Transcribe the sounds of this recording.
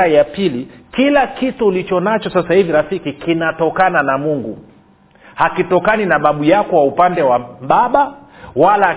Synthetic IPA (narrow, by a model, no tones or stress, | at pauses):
ajapilikilakituːlit͡ʃɔnat͡ʃɔsasahiviɾafikikinatɔkananamuŋɡu | hakitɔkaninaɓaɓujakɔwaupandɛwaɓaɓawala